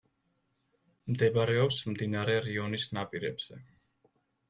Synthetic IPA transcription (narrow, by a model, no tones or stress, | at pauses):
md̪ɛbɾɛɔpsmd̪inaɾɛɾiɔnisnapʼiɾɛ̰bz̥ɛ